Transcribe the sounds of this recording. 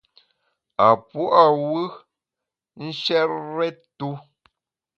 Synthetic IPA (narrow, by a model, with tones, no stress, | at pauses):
a˨pu˦ʔa˨wɨ˦ | n̩˦ʃɛ˦ɾɾɛ˦tu˦